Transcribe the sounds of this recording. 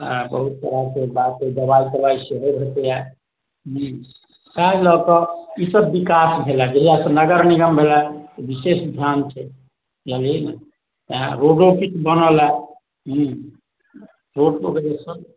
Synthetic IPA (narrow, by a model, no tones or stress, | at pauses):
abəɦut̪̚ːəɾakebat̪̚ked̪əbaik̪əlaiseɦebʱet̪ea | ɦ | salɔkəisəbːikasbʱelad͡ʒeɦilasə̃nəɡəɾniɡəmbʱelat̪ebisesd̪ʱjant͡ʃʰɛ | jəlina | t̪əɦãɾoɖokitbənəla | ɦĩ | ɾoɖloked͡ʒesəb